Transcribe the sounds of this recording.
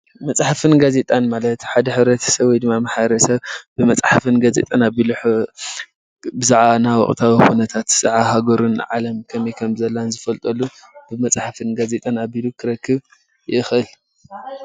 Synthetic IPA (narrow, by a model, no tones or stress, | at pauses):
mɐt͡sʼħafɨnɡaze̞t̪ʼanmalɐt̪ħad̪ɐħɨβɾɐt̪ʰɐ̥sɐβjd̪ɨmːamaħbɐɾɐsɐβbɨmɐt͡sʼħafɨnɡazḛt̪ʼanaβiluħ | bɨzaʕanawɔ̰χʼt̪ʰawixunɐt̪ʰat̪saʕaɦaɡɐɾunʕalɐmkʰɐmikʰɐmzɐlːanzɨfɐlt̪ʼɐlːu | b̥ɨmɐt͡sʼħafɨnɡazet̪ʼanaβilukʰɨɾɐkːɨβ | jɪɨxʔɨl